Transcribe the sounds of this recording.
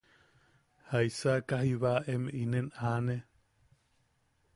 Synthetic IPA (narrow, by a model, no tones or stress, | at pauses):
haisakaɦiβaʔemʔinenʔane